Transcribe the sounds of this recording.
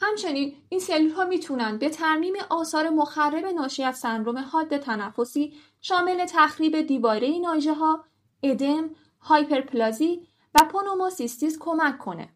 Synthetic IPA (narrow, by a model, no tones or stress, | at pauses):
hæmt͡ʃʰe̞niːn | iːnse̞lulhɦɒːmiːt̪ʰunænd̪̚be̞t̪ʰæɾmiːmeʔɒːsɒːɾe̞moxærːe̞be̞nɒːʃiːæzsænɾo̞me̞hɒːd̪ːe̞t̪ʰænæfːo̞siː | ʃɒːme̞le̞t̪ʰæxɾiːbe̞d̪iːvɒːɾe̞jinɒːʒeɦɒː | e̞d̪em | hɒːjpʰe̞ɾpʰlɒːziː | væpʰonomosist̪iːzkʰo̞mækʰːo̞nḛ